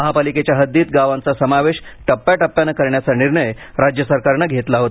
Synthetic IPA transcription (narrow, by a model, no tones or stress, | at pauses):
əɦapaliket͡ɕjaɦəd̪ːiːt̪̚ɡaʋãnt͡sasəmaʋeɕʈəpːjaʈəpːjanəkəɾɳjat͡saniɾɳəj | ɾad͡ʑjəsəɾkaɾɳəɡʱet̪laɦot̪a